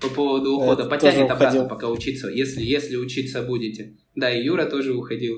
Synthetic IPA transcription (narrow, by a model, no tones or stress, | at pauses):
pɐpovəd̪ʊːxo̞d̪əpɐt̪nʲɪt̪ɐbatnəpɐkaʊt͡ɕit̪səjesʲlʲɪjesʲlʲɪʊt͡ɕit̪səbudʲɪtʲɪ | d̪aɪjuɾət̪o̞ʐɨʊxɐdʲilˠ